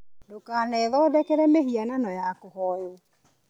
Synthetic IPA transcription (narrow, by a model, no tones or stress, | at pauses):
dokaːnɛːðɔdɛkɛɾɛmehiananɔjakohɔjo